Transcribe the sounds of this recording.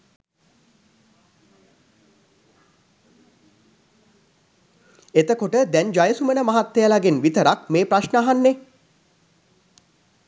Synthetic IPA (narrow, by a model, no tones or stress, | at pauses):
et̪əkoʈəd̪ɛnd͡ʒajəsumənəmaɦat̪ːejəlaɡenʋit̪əɾakmeːpɾaʃnəaɦanːe